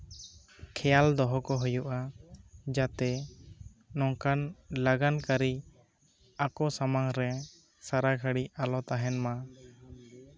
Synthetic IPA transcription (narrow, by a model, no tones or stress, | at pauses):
kʰɛjald̪ɔɦɔkɔɦujuʔa | d͡ʒat̪ɛ | nɔŋkanlaɡankaɾi | akɔsamaŋɾɛ | saɾaɡʱəɽialɔt̪aɦɛnma